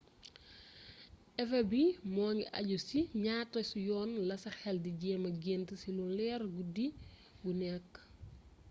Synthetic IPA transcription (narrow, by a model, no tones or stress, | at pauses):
ʔɛfɐbimɔːɲiʔɐ̰ɟusiɲaːtːɔsujɔːnlɐsɐxɛldiɟɛːmɐɡeːntəsilulɛːrɡudi | ɡunɛkː